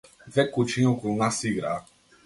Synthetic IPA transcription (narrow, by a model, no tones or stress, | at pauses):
vɛkut͡ʃĩɲokunasiɡɾa